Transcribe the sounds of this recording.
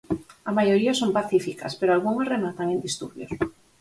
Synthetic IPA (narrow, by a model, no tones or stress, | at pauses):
amajoɾiasompaθifika̰speɾoalɣuŋazremat̪aŋend̪ist̪uɾβjos